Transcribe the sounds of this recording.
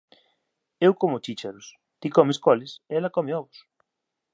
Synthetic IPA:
ewkomʊt͡ʃit͡ʃaɾʊs | t̪ikɔmeskɔlɪseɛlɐkɔmeɔβʊs

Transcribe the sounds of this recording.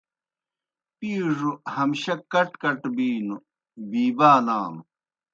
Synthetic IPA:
piːʐuhɐmɕɐkɐʈkɐʈbiːnu | biːbaːlaːm

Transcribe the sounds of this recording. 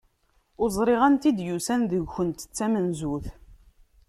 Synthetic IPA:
ʊzˤɾˤiʁænt̪id̪jusænðəʝçənt̪ə̥t͡sːæmənzuθ

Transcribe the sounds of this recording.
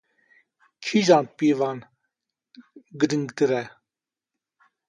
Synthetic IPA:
kʰiʒɑnpivɑn | ɡəɾəŋɡt̪əɾɛ

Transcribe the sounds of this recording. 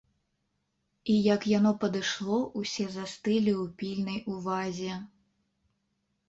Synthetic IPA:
ijɐkjanɔpɐd̪ɨʂlˠɔʔusʲɛzast̪ɨlʲiwpʲilʲnɐjuvazʲɛ

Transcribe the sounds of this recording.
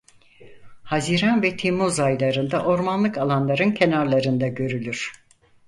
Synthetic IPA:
haziɾanvɛt̪ʰemuzajlˠaɾɯnd̪aʔo̞ɾmanlˠɯkalˠanlˠaɾɯncʰe̞naɾlˠaɾɯnd̪aɟø̞ɾylʲyɾ̥

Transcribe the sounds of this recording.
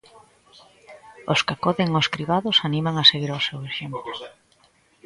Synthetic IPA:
oskakɔðeŋoskɾiβaðʊsanimaŋaseɣiɾaʊseweʃemplo

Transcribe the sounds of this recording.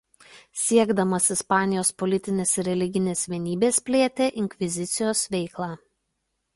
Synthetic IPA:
sʲiɛɡd̪ɐmɐsɪspɑːnʲɪjoːspɔlʲɪt̪ʲɪnʲeːsɪɾʲɛlʲɪɡʲɪnʲeːsʋʲiɛnʲiːbʲeːspʲlʲeːt̪ʲeːʔɪŋʲkʲʋʲɪzʲɪt̪sʲɪjoːsʋʲɛɪklˠɑː

